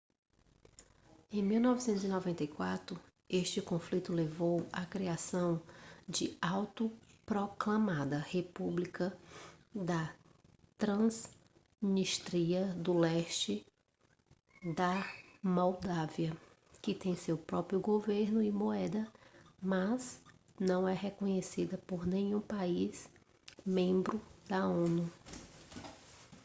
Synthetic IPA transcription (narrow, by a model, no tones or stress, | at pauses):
ẽj̃miwnɔvɪsẽnt̪ʊzinɔvẽnt̪ɐjkwat̪ɾʊ | eʃt͡ʃɪkõflit̪ʊlevowɐkɾiasɐ̃w̃d͡ʒɪawt̪ʊpɾoklɐ̃mad̪ɐhepublikɐ | d̪ɐ | t̪ɾɐ̃z | iniʃt̪ɾiɐd̪ʊlɛʃt͡ʃɪ | d̪ɐmowd̪aviɐ | kɪt̪ẽj̃sewpɾɔpɾjʊɡoveɾnʊɪmoɛd̪ɐmɐz | nɐ̃w̃ɛɦekõɲesid̪ɐpoɾnẽɲũpaiz | mẽmbɾʊd̪ɐõnu